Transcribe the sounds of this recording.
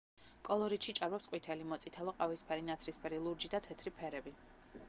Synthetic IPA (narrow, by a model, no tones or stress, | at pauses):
kʼɔlˠɔɾit̪ʃit͡ʃʼaɾmɛpsqʼwit̪ʰɛlimɔt̪sʼit̪ʰɛlˠɔqʼavispʰɛɾinat̪sʰɾispʰɛɾilˠuɾd͡ʒid̪at̪ʰɛt̪ʰɾipʰɛɾɛbi